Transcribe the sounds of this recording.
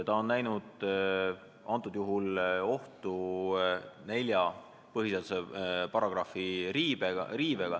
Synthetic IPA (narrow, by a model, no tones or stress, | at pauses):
t̪ɑo̞nnæjnud̪̥ | ɑnt̪ːˑud̪̥juɦulo̞ht̪u | ne̞lʲjɑ | pɤɦis̬ed̪usepɑrɑɡ̥rɑfiɾiːbeɡɑɾiːveɡ̥ɑ